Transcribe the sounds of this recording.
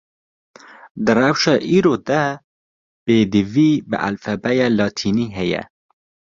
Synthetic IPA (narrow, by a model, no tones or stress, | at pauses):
d̪ɨrɛwʃɑːʔiːɾoːd̪ɛ | b̥eːd̪ɨviːbɨ̰ʔæ̰lfæbɛjɑːlɑːt̪ʰiːniːɦɛjɛ̰